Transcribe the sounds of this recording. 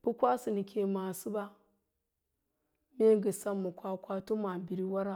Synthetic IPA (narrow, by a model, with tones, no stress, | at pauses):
b̥u˦kʷa˦si˨ni˨kʰʲe˨ma˨si˦ba˦ | me˦ɡə˨sa˦mːu˨kʷa˦kʷa˦to˦ma˨bi˨ɾi˦wa˦ɾa˦